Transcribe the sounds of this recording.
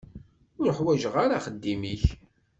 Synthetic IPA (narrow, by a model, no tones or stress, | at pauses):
ʊɾəħwæʒəʁaɾaχəd̪ːimiç